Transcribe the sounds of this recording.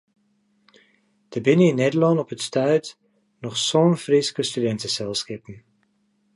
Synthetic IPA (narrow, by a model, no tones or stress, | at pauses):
d̥əbɪnəinɛdəlɑnɔpətstœɥt | nɔχsɔnfriskəstydɛntəsɛlˠskepən